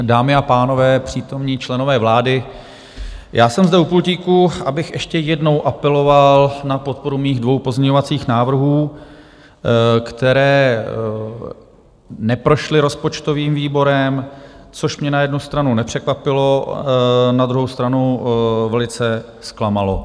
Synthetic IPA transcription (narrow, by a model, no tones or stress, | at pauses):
daːmɪapaːno̞vɛːpr̝̥iːt̪o̞mɲiːt͡ʃlɛno̞vɛːvlaːdɪ | jʔaːsɛmzdɛupulciːkuʔabɪxʔɛʃcɛjɛdno̞wʔapɛlo̞valnapo̞t̪̚po̞ɾumiːɣdvo̞wpozmɲɛɲovat͡siːxnaːvr̩ɦuː | kt̪ɛɾɛː | nɛpɾo̞ʃlɪɾo̞spot͡ʃt̪o̞viːmviːbo̞ɾɛmt͡so̞ʃmɲɛnajɛdnust̪ɾanunɛpr̝̥ɛkvapɪlo | nad̪ɾuɦo̞wst̪ɾanuvɛlɪt͡sɛ | sklamalo̞̰